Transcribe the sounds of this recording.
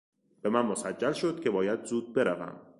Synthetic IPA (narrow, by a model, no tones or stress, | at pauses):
b̥e̞mænmosæd͡ʒːælʃo̞d̪̥̚cʰʲe̞bɒːjæd̪zuːd̪̚be̞ɾævæ̰m